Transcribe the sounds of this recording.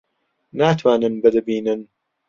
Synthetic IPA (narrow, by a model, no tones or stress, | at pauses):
naːt̪ʰwaːnɨnbɨd̪ɨbiːnɨn